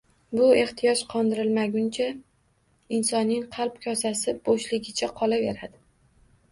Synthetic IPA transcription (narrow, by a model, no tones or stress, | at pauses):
bʊe̞ht̪ʰijɒʃqʰɒnd̪ɪɾɪlmaɡʲʊnt͡ʃʰa | ɪnsɒnːɪŋqʰɑlˠpkʲʰɒsasɪb̥oʃlɪɡʲɪt͡ʃʰaqʰɒlave̞ɾad̪ɪ